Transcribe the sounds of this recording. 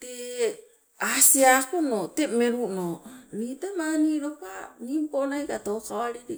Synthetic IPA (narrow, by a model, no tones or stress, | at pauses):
t̪e | asiakunotemeɾunonitamaniɾokanimponajkatokaaɾiɾi